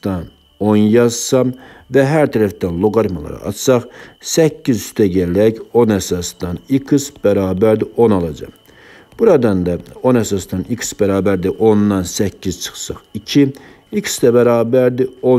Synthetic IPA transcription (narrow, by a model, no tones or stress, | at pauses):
t̪ɑn | o̞njɑzsɑmvæɦæɾt̪ʰæɾæfd̪ænlˠoɡɑɾmɑlˠɑ̰ɾɑ̰ʔɑ̰t̪sɑχsæcːizyst̪ʰæɟælæɟo̞næsɑsd̪ɑnikʰɯsb̥æɾɑːbæɾd̪iʔo̞nɑlˠɑd͡ʒɑ̰m | b̥uɾɑd̪ɑnd̪ɑo̞næsɑsd̪ɑniksbæɾɑːbæɾd̪iʔo̞nd̪ɑnsæcʰːiz̥t͡ʃʰɯ̥χsɑ̰χicʰi | iksd̪æbæɾɑːbæɾd̪io